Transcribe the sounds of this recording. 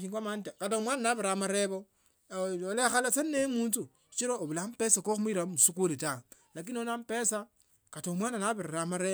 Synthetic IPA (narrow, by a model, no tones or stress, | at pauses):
iŋɡwamantakatomwananaβiɾamaɾeβo | olexalasennemuːnt͡su̥ | t͡ʃiɾoːβulampesakoxumiɾamusukulita | lak̬inonampesa | katomwaːnanaβiɾaɾamaɾe